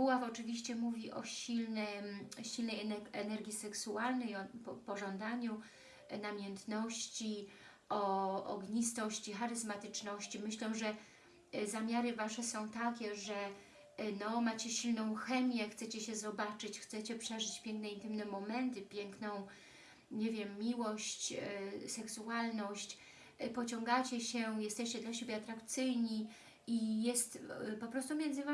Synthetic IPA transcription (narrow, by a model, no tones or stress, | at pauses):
uwafɔt͡ʂɘvʲiɕt͡ɕɛmuvʲiʔɔ̰ɕilnɛɕilnɛjɛɛnɛɾɡʲisɛksualnɛjɔpɔpɔʐɔnd̪aɲu | namʲjɛnt̪nɔɕt͡ɕi | ɔɔ̰ɡɲist̪ɔɕt͡ɕixaɾɘzmat̪ɘt͡ʂnɔɕt͡ɕimɘɕlɛwʐɛ | zamʲjaɾɘvaʂɛsɔ̃w̃t̪akʲɛʐɛ | nɔmat͡ɕɛɕilnɔ̃w̃xɛmʲjɛxt̪sɛt͡ɕɛɕɛzɔbat͡ʂɘt͡ɕxt̪sɛt͡ɕɛpʂɛʐɘt͡ɕpʲjɛŋknɛint̪ɘmnɛmɔmɛnt̪ɘpʲjɛŋknɔ̃w̃ | ɲevʲjɛmːʲiwɔɕt͡ɕsɛksualnɔɕt͡ɕ | pɔt͡ɕɔ̃ŋɡat͡ɕɛɕɛjɛst̪ɛɕt͡ɕɛd̪laɕebʲjɛat̪ɾakt̪sɘjɲi | ijɛst̪pɔpɾɔst̪umʲjɛnd̪zɘva